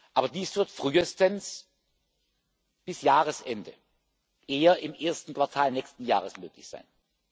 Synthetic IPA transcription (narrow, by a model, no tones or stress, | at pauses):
ʔaːbɐdiːsv̥ɪɐtfʁ̥yːəstəns | b̥ɪsjaːʁəsʔɛndə | ʔeːɐɪmʔeːɐstn̩kv̥aɐtʰaːlnɛːçstn̩ja̰ːʁəsmøːklɪ̰çz̥a̰ɪn